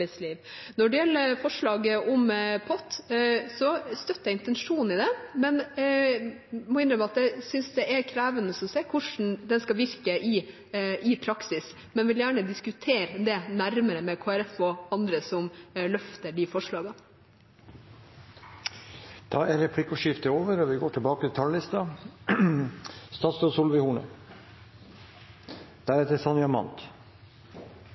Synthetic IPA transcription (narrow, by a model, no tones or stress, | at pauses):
ɛɪsliːʋnɔɖɛjɛlːəfɔʂɭɑːɡəʔɔmpʰɔt̪ːsɔst̪œt̪ːəjæɪnt̪ɛnʂuːnɪd̪ɛmɛn | mɔɪnɾəmæɑt̪̚d̪ɛsʏnsd̪ɛʔɛɾkʰɾæːʋənəsɔmseːkʰʊʂn̩d̪ɛnskɑʋɪɾkəʔɪ | ʔɪpʰɾɑksɪs | mɛnʋɪljæːɳəd̪ɪskʉt̪ʰeːɾd̪ɛnæɾməɾəmɛkʰoːæɾɛfɔɑnd̪ɾəsɔmlœft̪əɖifɔʂɭɑːɡɑ | d̪̥ɑːæɾɾɛpʰlɪkːʊʂɪft̪əoːʋəɾɔʋɪɡoːʈʰɪlbɑːkət̪ʰɪt̪ʰɑllɪst̪ɑ | st̪ɑːt̪sd̪ɔːsuːlʋɪhuːnə̰ | d̪̥æɾɛt̪əɾsɑnjɑmɑ̰nt̪